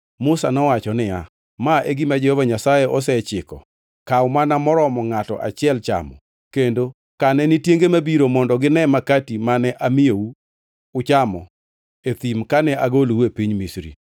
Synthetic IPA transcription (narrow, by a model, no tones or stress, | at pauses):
mʊsanɔwat͡ʃɔnɪja | maʔeɡimad͡ʒɛhɔvaɲasajeʔɔsɛt͡ʃɪkɔ̰ | kaʊmanamɔɾɔmɔŋatɔ̰ʔa̰t͡ʃɪɛlt͡ʃa̰mɔ̰ | kendo | kanɛnɪtjeŋɡemabiɾomɔndɔɡɪnɛmakatimanɛʔamɪou | ʊt͡ʃamɔ̰ | et̪imkanɛʔaɡolepiɲmisɾḭ